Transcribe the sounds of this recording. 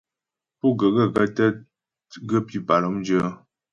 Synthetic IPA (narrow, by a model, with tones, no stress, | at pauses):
pu˦˨ɡə˨ɡə˦˨ɡə˦tə˦ | ɡə˦pi˦pa˨lɔ˦md͡ʒə˦